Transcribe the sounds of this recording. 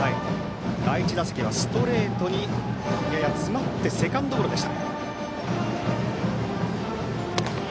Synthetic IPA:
ai | d̪ait͡ɕid̪ase̥kʲiβasɨ̥t̪o̞ɾe̞ːt̪o̞ɲ̟ijajat͡sɨmat̪ːe̞se̞kãnd̪o̞kːoɾo̞d̪e̞ɕi̥t̪a

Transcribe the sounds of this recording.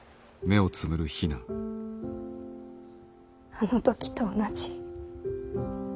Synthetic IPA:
me̞o̞t͡sɨmɯ̟ɾɯ̟çinã | anot̪okʲi̥t̪oːnat͡ɕi̥

